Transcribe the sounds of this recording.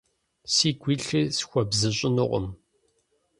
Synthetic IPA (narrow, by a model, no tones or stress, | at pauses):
siːɡʷiːɬɨsxʷɔbzɨɕʼɪnʊʁʷʊ̰m